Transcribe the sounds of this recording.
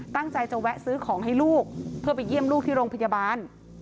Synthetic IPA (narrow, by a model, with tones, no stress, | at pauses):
t̪a˥˩ŋt͡ɕa˧jt͡ɕa˧wɛ˦˥ʔsɯː˦˥kʰɔː˩˦ŋɦa˥˩jluː˥˩k̚pʰɯ˥˩əpa˧jːi˥˩əmluː˥˩k̚t̪ʰiː˥˩ɾoː˧ŋpʰa˧ja˧baː˧n